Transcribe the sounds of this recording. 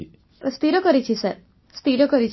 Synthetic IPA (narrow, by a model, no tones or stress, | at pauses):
st̪iɾəkəɾit͡ʃʰisɛɾ | st̪iɾəkəɾit͡ʃ